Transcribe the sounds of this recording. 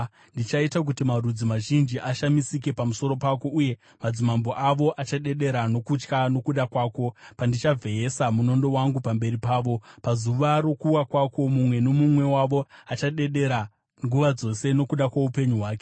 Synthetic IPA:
ndit͡ʃaitak̬utimarud͡zimaʒind͡ʒiʔaʃamisike̞pamuso̞ɾo̞pako̞uje̞ | mad͡zimambo̞ʔaʋo̞ʔat͡ʃaɗe̞ɗe̞ɾano̞kut͡ʃkano̞kuɗakwaːko̞pandit͡ʃavʱe̞ɦesamuno̞ndo̞waŋɡupambe̞ɾipaːʋo̞pazuʋaɾo̞kuwakwako̞mumwe̞no̞mumwe̞waʋo̞at͡ʃaɗe̞ɗe̞ɾa | ŋɡuʋad͡zo̞se̞no̞kuɗakwaupe̞ɲuɦwaːke̥

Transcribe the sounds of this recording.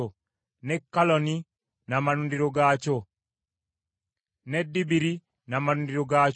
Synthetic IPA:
o | nɛkːalɔni | namanundiɾoɡat͡ʃo | nɛdibiɾi | namanundiɾoɡa

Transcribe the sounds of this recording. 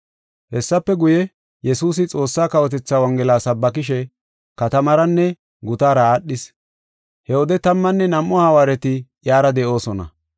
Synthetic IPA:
hɛsːɐpːɛɡʊjɛ | jɛsuːs̬ɪt͡sʼo̞ːsːaːkɐwɔt̪ɛt͡sːaːwɐŋɡɛlaːsɐbːɐk̬ɪʃ̬ɛ | kɐt̪ɐmɐɾɐnːɛ | ɡʊt̪aːɾɐːɗːɪs | hɛwɔd̪ɛt̪ɐmːɐnːɛnɐmːɔhɐwaːɾɛt̪ɪjaːɾɐd̪ɛʔo̞ːsɔnɐ̰

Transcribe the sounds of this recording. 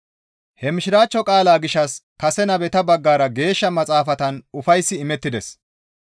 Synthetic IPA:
hɛmɪʃɪɾaːt͡ʃːɔkʼaːlaːɡɪʃːɐskɐsɛnɐbɛt̪ɐbɐɡːaːɾɐɡe̞ːʃːɐmɐt͡sʼaːfɐt̪ɐnʊfɐjsːɪɪmɛt̪ːɪd̪ɛs

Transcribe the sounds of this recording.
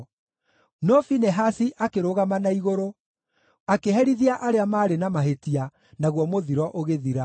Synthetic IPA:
nɔfinɛɦasiʔakeɾoɣamanaiɣoɾo | akeɦɛɾiðiaʔaɾeamaːɾenamaɦetia | naɣwɔmoðiɾɔʔoɣeðiɾa

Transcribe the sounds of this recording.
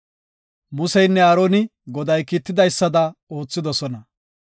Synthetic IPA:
mʊsɛjnːɛaːɾoːnɪɡɔd̪ɐjkiːt̪ːɪd̪ɐjsːɐd̪ɐo̞ːt͡sːɪd̪ɔsɔnɐ

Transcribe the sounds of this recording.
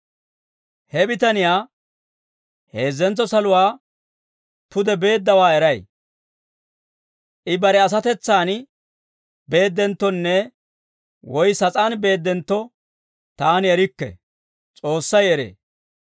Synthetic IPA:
hɛbɪt̪ɐnɪjaː | he̞ːzːɛnt͡sːɔsɐlʊwaː | pʊd̪ɛbe̞ːd̪ːɐwaːɛɾɐj | ʔɪbɐɾɛɐs̬ɐt̪ɛt͡sːaːn | be̞ːd̪ːɛnt̪ːɔnːɛ | wɔjsɐt͡sʼaːnbe̞ːd̪ːɛnt̪ːɔ | t̪aːnɪɛɾɪkːɛ̰ | t͡sʼo̞ːsːɐjɛɾḛː

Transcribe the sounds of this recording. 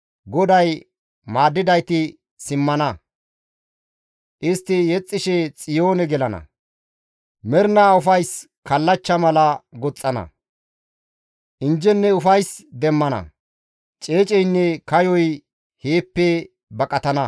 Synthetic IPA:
ɡɔd̪ɐj | maːd̪ːɪd̪ɐjt̪ɪ | sɪmːɐnɐ | ʔɪst̪ːɪjɛt͡sʼːɪʃɛt͡sʼɪjoːnɛɡɛlɐnɐ̰ | mɛɾnɐʊfɐjs | kɐlːɐt͡ʃːɐmɐlɐɡɔt͡sʼːɐnɐ̰ | ʔɪnd͡ʒɛnːɛʊfɐjsd̪ɛmːɐnɐ̰ | t͡ʃʼe̞ːt͡ʃʼɛjnːɛkɐjɔj | heːpːe | bɐkʼɐt̪ɐnɐ

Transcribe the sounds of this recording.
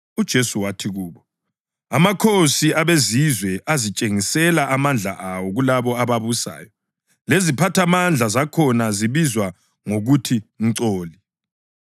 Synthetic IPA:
ud̥ʒ̥ʱesuwatʰiɣuːβɔ | amakʰosiaβezizwɛʔazit͡ʃʼeŋisɛlaʔamand͡ɮʱa̰ʔawɔɣulaβɔaβaβusa̰ːjɔ | lezipʰatʰamand͡ɮʱazakʰɔnaziβizwa | ŋoɣutʰiŋ̩ǀoːli

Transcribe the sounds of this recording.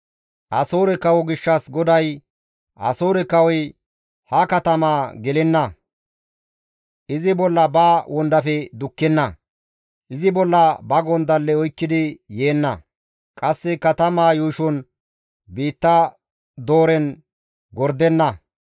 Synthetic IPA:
ʔɐsoːɾɛkɐwɔɡɪʃːɐsɡɔd̪ɐj | ʔɐ̰soːɾɛkɐwɔj | hɐkɐt̪ɐmaːɡɛlɛnːɐ | ʔɪzɪbɔlːɐbaːwʔɔnd̪ɐfɛd̪ʊkːɛnːɐ | ʔɪzɪbɔlːɐbɐɡɔnd̪ɐlːɛɔjkːɪd̪ɪjeːnːɐ | kʼɐsːɛkɐt̪ɐmaːjuːʃɔn | biːt̪ːɐ | d̪o̞ːɾɛn | ɡɔɾd̪ɛnːɐ

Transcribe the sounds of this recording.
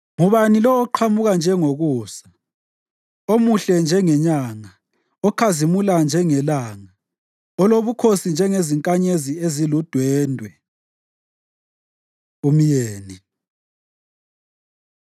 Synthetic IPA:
ŋuβanilɔːǃʰamuɣand͡ʒʱɛŋoɣuːsḁ | omuɬɛnd͡ʒʱɛŋɛɲaŋa | ɔkʰazimuland͡ʒʱɛŋɛlaːŋa | ɔloβukʰosind͡ʒʱɛŋeziŋkʼaɲeziezilud̥ʱwɛːndʱwɛ | umijeːni

